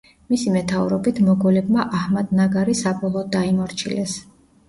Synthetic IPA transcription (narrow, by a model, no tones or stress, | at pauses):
misimɛt̪ʰauɾɔbit̪ʰmɔɡɛlɛb̚maʔahmad̪naɡaɾisabɔlˠɔːd̪̚ːaimɔɾt͡ʃʰḭlɛs